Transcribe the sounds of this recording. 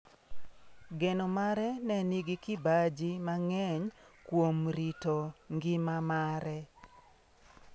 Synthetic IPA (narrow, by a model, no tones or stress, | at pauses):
ɡɛnomaɾɛnɛniɡɪkɪbad͡ʒimaŋɛɲkwomɾitoŋɡɪmamaɾɛ